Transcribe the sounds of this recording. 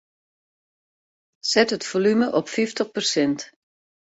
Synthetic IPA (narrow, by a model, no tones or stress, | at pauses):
sɛtətfolyməʔɔpfiftəχpərsɛnt